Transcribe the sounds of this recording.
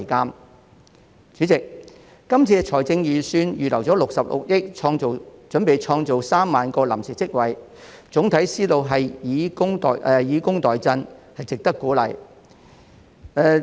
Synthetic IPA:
kaː˥m | t͡ʃyː˨˥t͡sɪ˨k̚ː | ɐ˥mt͡sʰiː˧ɛ˧t͡ʃʰɔː˨˩jt͡sɪ˧ŋjiː˨syː˧njyː˨lɐ˨˩wt͡sɔː˨˥lʊ˨k̚sɐ˨p̚lʊ̰˨k̚jɪ˥k̚t͡ʃʰɔː˧ŋt͡so˨wt͡ʃɵ˨˥npe˨jt͡ʃʰɔː˧ŋt͡so˨wsaː˥mːaː˨nkɔː˧la̰˨˩msiː˨˩t͡sɪ˥k̚wɐ˨˩j | t͡sʊ˨˥ŋt̪ʰɐ˨˥jsiː˥lo˨˧wɦɐ˨jjiː˨˧kʊ˥ŋt̪ɔ̰ː˨ʔɛ˨˧jiː˨˧kʊ˥ŋt̪ɔː˨˩jt͡sɐ˧nhɐ˨jt͡sɪ˨k̚t̪ɐ˥kːuː˨˥lɐ̰˨˩j | ɛː˧

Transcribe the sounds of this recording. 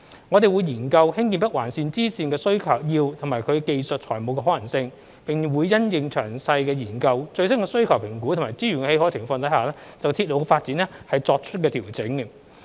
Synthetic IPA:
ŋɔ˨˧t̪e˨˩jwu˨˧jjiː˨˩nkɐ˧whɪ˥ŋki˧npɐ˥t̚waː˨˩nsiː˨˧nt͡siː˥siː˨˧nkɛː˧sɵ˥ɥkʰɐ˨˩wjiː˧wt̪ʰŋmaː˨˩jkʰɵ˨˧ke˧jsɵ˨t̚t͡ʃʰɔː˨˩jmo˨˧wkɛː˧ɦːjɐ˨˩ŋsɪ˧ŋ | pɪ˨ŋwuː˨˧jːɐ˥njɪ˨ŋt͡ʃʰœ̰ː˨˩ŋsɐ˧jkɛː˧jiː˨˩nkɐ˧wt͡ʃɵ˧ɥsɐ˥nkɛː˧sɵ˥ɥkʰɐ˨˩wpʰɪ˨˩ŋkuː˨˥tʰo˨˩maː˨˩jt͡siː˥ɥyː˨˩nɛ˧he˧hɔ˨˥t͡sʰɪ˨˩ŋfɔː˧ŋt̪ɐ˨˥jhaː˨lɛː˥t͡sɐ˨wt̪ʰi˧t̚lo˨˧wfaː˧t̚t͡siː˨˥nɛ˥hɐ˨jt͡sɔː˧k̚t͡ʃʰɵ˥t̚k̬ɛː˧t̪ʰiː˨˩wt͡sɪ˨˥ŋ˧

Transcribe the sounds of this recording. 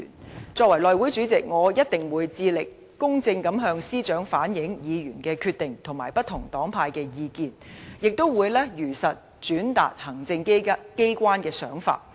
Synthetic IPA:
nt͡sɔː˧k̚wɐ˨˩jlɔː˨jwuː˨˥jt͡ʃyː˨˥t͡sɪ˨k̚ŋɔː˨˧jɐ˥t̚t̪ɪ˨ŋwuː˨˧jt͡siː˧lɪ˨kːʊ˥ŋt͡sɪ˧ŋkɐ˨˥mɦœː˧ŋsiː˥t͡ʃœː˨˥ŋfaː˨˥njɪ˨˥ŋjiː˨˧jyː˨˩nkɛː˧kʰyː˧t̪̚ɪ˨ŋt̪ʰʊ˨˩maː˨˩jpɐ˥t̪̚ʰʊ˨˩ŋt̪ɔː˨˥ŋpʰaː˧jkɛː˧jiː˨˧kiː˧njɪ˨k̚t̪o˥wwuː˨˧jlɛː˥jyː˨˩sɐ˨t̚ | t͡ʃyː˨˥nt̪a̰ː˨t̚hɐ˨˩ŋt͡sɪ˧ŋkke˥jkʷwaː˥nkɛː˧sœ̰ː˨˥ŋfa̰ː˧t̚

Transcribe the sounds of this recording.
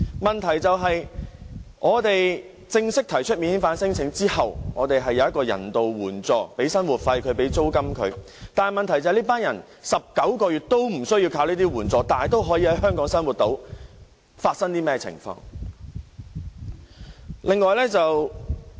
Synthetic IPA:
mɐ˨nt̪ʰɐ˨˩jt͡sɐ˨wɦɐ˨j | ʔɔː˨˧t̪e˨j | t͡sɪ˧ŋsɪ˥k̚t̪ʰɐ˨˩jt͡ʃʰɵ˥t̚mi˨˧nhiː˨˥ŋfaː˨˥nsɪ˥ŋt͡sʰɪ˨˥ŋt͡siː˥hɐ˨wŋɔː˨˧t̪e˨jɦɐ˨jːɐ˧wjɐ˥kɔː˧jɐ̰˨˩nt̪o˨wwuː˨˩nt͡sɔː˨pe˨˥jsɐ˥nwuː˨˩t̚fɐ˧jkʰɵ˨˧˥ɥpe˨˥jt͡so˥wkɐ˥mkʰɵ̰˨˧˥ɥ | t̪aː˨n˨jmɐ˨nt̪ʰɐ˨˩jt͡sɐ˨˧˨liː˥paː˥njɐ˨˩n | sɐ˨p̚kɐ˨˥wkɔː˧ɥyː˨t̚t̪o˥wm̩˨˩sɵ˥ɥji˧kʰaː˧wliː˥t̪iː˥wuː˨˩nt͡sɔː˨t̪aː˨n˨jt̪o˥wɦɔː˨˥jiː˧hɐ˨˥jɦœː˥ŋkɔː˨˥ŋsɐ˥nwuː˨˩t̚t̪o˨˥w | faː˧t̚sɐ˥ŋt̪iː˥mɛː˥t͡sʰɪ̰˨˩ŋfɔ̰ː˧ŋ | lʔɪ˨ŋːɔː˨˧jlɛː˥t͡sɐ˨w

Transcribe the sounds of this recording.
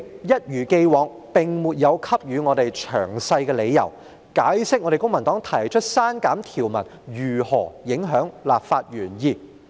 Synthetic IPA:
jɐ˥t̚jyː˨˩ke˧jwɔː˨˧˥ŋ | pɪ˨ŋmuː˨t̚jɐ˨˧wkʰɐ˥p̚jyː˨˧ŋɔː˨˧t̪e˨jt͡ʃʰœː˨˩ŋsɐ˧jkɛː˧le˨˧jːɐ̰˨˩w | kaː˨˥jsɪ˥k̚ɔ˧ɾe˨jkʊ˥ŋmɐ˨˩nt̪ɔː˨˥ŋt̪ʰɐ˨˩jt͡ʃʰɵ˥t̚saː˥nkaː˨˥mt̪ʰiː˨˩wmɐ̰˨˩njyː˨˩hɔː˨˩jɪ˨˥ŋɦœː˨˥ŋlaː˨p̚faː˧t̚ɥyː˨˩njiː˧

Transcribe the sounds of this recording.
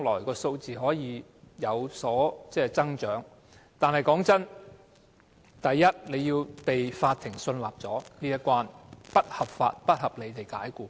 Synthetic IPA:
ŋlɔː˨˩jkɔː˧so˧wt͡siː˨ɦɔː˨˥jiː˨˧ | jɐ˨˧wsɔː˨˥t͡sɛː˥˧t͡sɐ˥ŋt͡ʃœː˨˥ŋ | t̪aː˨nɦɐ˨˩jkɔː˨˥ŋt͡sɐ˥n | t̪ɐ˨jːɐ˥t̚le˨˧jːiː˧wpe˨jfaː˧t̪ʰɪ˨˩ŋsɵ˧nlaː˨˩p̚t͡sɔː˨˥niː˥jɐ˥kʷwaː˧npɐ˥t̚hɐ˨p̚fa̰ː˧t̚pɐ˥t̚hɐ˨p̚le˨˧jt̪e˨jkaː˨˥jkuː˨˧

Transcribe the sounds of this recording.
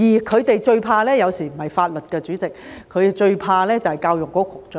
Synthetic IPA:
jiː˨˩kʰɵ˨˧ɥt̪e˨jt͡ʃɵ˧ɥpʰaː˧lɛː˥jɐ˨˧wsiː˨˩m̩˨˩hɐ˨jfaː˧t̚lɵ˨t̚kɛː˧t͡ʃyː˨˥t͡sɪ˨k̚ʰː | ɵ˨˧t̪e˨˩t͡ʃɵ˧ɥpʰaː˧lɛː˥t͡sɐ˨whɐ˨jkaː˧wjʊ˨ŋkɔː˨˥kʰʊ˨k̚t͡sœ˨

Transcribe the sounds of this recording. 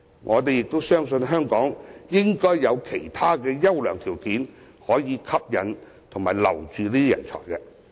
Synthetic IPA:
ŋʔɔ̰ː˨˧t̪e˨jɪ˨k̚t̪o˥wsœː˥ŋsɵ˧nɦœː˥ŋkɔː˨˥ŋjɪ˥ŋkɔː˥jːɐ˨˧wkʰe˨˩jt̪ʰaː˥kɛː˧jɐ˥wlœː˨˩ŋt̪ʰiː˨˩wkiː˨˥n | hɔː˨˥jiː˨˧kʰɐ˥p̚jɐ˨n | t̪ʰʊ˨˩ŋmaː˨˩jlɐ̰˨˩wt͡ʃyː˨˧liː˥t̪i˥jɐ̰˨˩nt͡ʃʰɔ̰ː˨˩jkɛ˧

